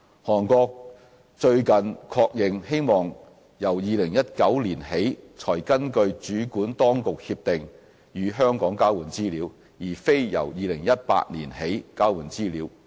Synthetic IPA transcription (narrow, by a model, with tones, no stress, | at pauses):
hɔː˨˩nkɔː˧k̚ | t͡ʃɵ˧ɥkɐ˨nkʰɔː˧k̚jɪ˨ŋhe˥jmɔː˨ŋ | jɐ˨˩wjiː˨˧lɪ˨˩ŋjɐ˥t̚kɐ˨˥wliː˨˩nhe˨˥jt͡ʃʰɔː˨˩jkɐ˥nkɵ˧ɥt͡ʃyː˨˥kuː˨˥nt̪ɔː˥ŋkʊ˨k̚hi˧p̚t̪ɪ˨ŋ | jyː˨˧ɦœː˥ŋkɔː˨˥ŋkaː˥wuː˨˩nt͡siː˥liː˨˥w | jiː˨˩fe˥jjɐ̰˨˩wjiː˨˧lɪ˨˩ŋjɐ˥t̚pa̰ː˧t̚nliː˨˩nhe˨˥jkaː˥wuː˨˩nt͡siː˥liː˨˧˥w